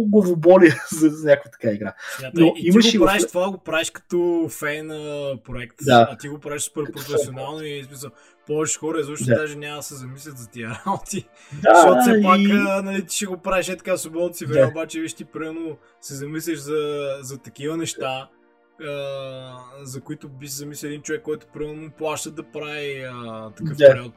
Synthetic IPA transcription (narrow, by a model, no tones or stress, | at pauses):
ɡɐvobɔliəzɐɐnʲakovət̪ɐ̥kaiɡɾa̰d̪atnoitiiməʃɡoipɾaiʃʃt̪ovaɡopɾaɛʃkɐ̥t̪ɔfɛjnəpɾoɛkt̪d̪aɐt̪iɡopɾaviʃspɛɾpɾofɛsionalˠnoiismisəlˠ | pɔvɛt͡ʃɛ̥xɔɾəizɔʃnd̪aʒɛnʲamɐd̪ɐsɛzɐmislʲət̪zɐt̪iəɾalnt̪i | aʃɔt̪sɛpakənɐlit̪i̥ʃɛɡopɾaiʃɛt̪ɐ̥kasobɔt̪sivɛɛobat͡ʃɛviʃt̪ipɾimɛɾno | sɛzɐmis̬lʲəʃzɐzɐt̪ɐk̟ivənɛʃt̪a | ə | zɐkʊit̪ʊbiʃsɛzɐmislʲilɛd̪int͡ʃovɛkːɔjt̪ʊ̥pɾimɛɾnomplˠaʃt̪ət̪d̪ɐpɾaiət̪ɐkəfpɛɾɔt̪